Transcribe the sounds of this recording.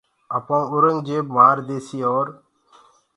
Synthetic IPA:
əpãːʊɾəŋɡd͡ʒeːmaːɾd̪eːsiːoːɾ

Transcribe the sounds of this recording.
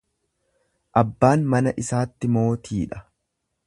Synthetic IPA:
ʔɐbːaːnmɐnɐʔɪsaːt̪ːɪmo̞ːt̪ʰiːᶑɐ̥

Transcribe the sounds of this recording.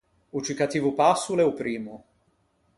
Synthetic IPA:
ut͡ʃikat̪iːvupasːuleupɾiːmu

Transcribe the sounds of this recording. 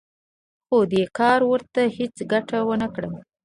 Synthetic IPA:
xod̪ekɑɾwəɾt̪ahet͡sɡaʈawənəkɽəm

